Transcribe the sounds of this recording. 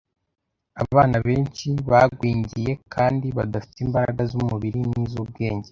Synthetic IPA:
aβaβaːnaβe̞ːnt͡ʃiβaɡwiːɲɟije̞kʰaːndiβadafi̥tiːmbaɾaɡazumuβiɾiniːzub̚ɡe̞ːɲɟe̞

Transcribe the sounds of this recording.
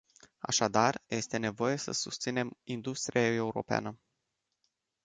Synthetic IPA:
a̰ʃad̪arje̞st̪e̞ne̞vo̞je̞sə̰sust̪sine̞mind̪ust̪ɾiae̞uɾo̞̰pea̰nə

